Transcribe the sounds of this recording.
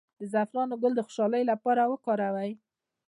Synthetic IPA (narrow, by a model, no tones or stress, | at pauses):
d̪əzafɾɑnoɡʊld̪əxʊ̥ʃɑləjolapɑɾawəkɑɾawaj